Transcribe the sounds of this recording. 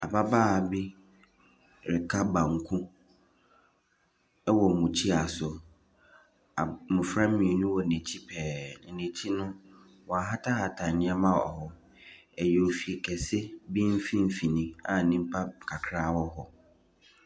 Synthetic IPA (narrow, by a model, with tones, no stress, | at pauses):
a˨ba˦baː˦˨bi˦ | ɾɪ˨kʰa˦bã˨ŋ̩˨kʰũ˦ | ɛ˦wɔ˨mũ˨t͡ɕʰi˦a˨sʊ˨ | a˨mʊ̃˨fɾã˦mĩ˨nũ˦wɔ˨nẽ˨t͡ɕʰi˦pʰɛː˨n̩˨nẽ˨t͡ɕʰi˦nʊ̃˦ | wɔ̃˨a˨ɦa˦tʰa˦ha˨tʰã˨nɪ̃˦ɛ˦mã˦ɔ̰˨hɔ˦ | ɛ˨jɛ˨o˨fi˨kʰɛ˨sɪ˦bi˦m̩˦fĩ˦m̩˦fi˨nĩ˦a˨nĩ˦m̩˦pʰa˦˨kʰa˨kʰɾaː˦wɔ˦ɦɔ˨